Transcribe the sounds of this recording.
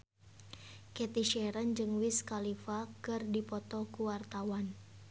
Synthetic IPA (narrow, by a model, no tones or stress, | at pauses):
kɛt̪iʃɛɾənd͡ʒɨŋwiskalifakɨrdipɔt̪ɔkuwart̪awan